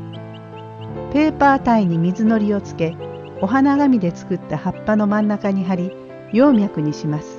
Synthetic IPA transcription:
pe̞ːpaːt̪aiɲ̟imʲizɨno̞ɾʲio̞t͡sɨ̥ke̞ | o̞ɦanaɡamʲid̪e̞t͡sɨ̥kɯ̟t̪ːahapːano̞mãnːakaɲ̟iɦaɾʲi | jo̞ːmʲjakɯ̟ɲ̟iɕimasɨ̥

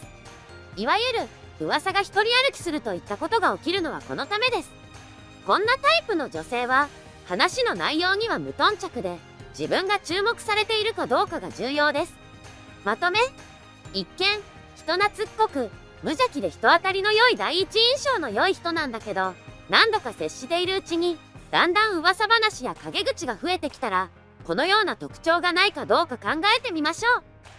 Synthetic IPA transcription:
iβajɯ̟ɾɯ̟ | ɯ̟βasaɡaçi̥t̪o̞ɾʲiaɾɯ̟kʲi̥sɨɾɯ̟t̪o̞it̪ːako̞t̪o̞ɡao̞kʲiɾɯ̟no̞β̞a̰ko̞̰no̞t̪ame̞d̪e̞sɨ̥ | kõ̞nːat̪aipɯno̞d͡ʑo̞se̞ːβ̞a | hanaɕino̞naijo̞ːɲ̟iβ̞amɯ̟t̪õ̞ɲ̟t͡ɕakɯ̟d̪e̞ | d͡ʑibɯ̟̃ŋɡat͡ɕɨːmo̞kɯ̥saɾe̞t̪e̞iɾɯ̟kad̪o̞ːkaɡa̰d͡ʑɨːjo̞ːd̪e̞sɨ̥ | mat̪o̞me̞ | ikːẽ̞ɰ̃ | çi̥t̪o̞nat͡sɨkːo̞kɯ̟ | mɯ̟ʑakʲid̪e̞çi̥t̪o̞βat̪aɾʲino̞jo̞id̪aiiːt͡ɕiĩɰ̃ɕo̞ːno̞jo̞içi̥t̪o̞nãnd̪ake̞d̪o̞nãnd̪o̞kase̞ɕːit̪e̞iɾɯ̟ɯ̟t͡ɕiɲ̟i | d̪ãnd̪ãɰ̃ɯ̟βasabanaɕijakaɡe̞ɡɯ̟t͡ɕiɡaɸɯ̟e̞t̪e̞kʲi̥t̪aɾa | ko̞no̞jo̞ːnat̪o̞kɯ̟̥t͡ɕo̞ːɡanaikad̪o̞ːkakãŋɡae̞t̪e̞mʲimaɕo̞ː

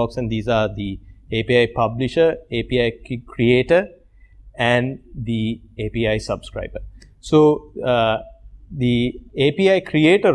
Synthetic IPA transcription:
ɔːksɛ̃nɖd̪iːzaːɾd̪ieːpiːaɪpɐbliʃəɾeːpiːaɪkʰɾieːʈəɾ | æ̃nɖd̪i | eːpiːaɪsɐbskɾa̰ɪbə | soː | d̪ieːpiːaɪkʰɾieːʈə

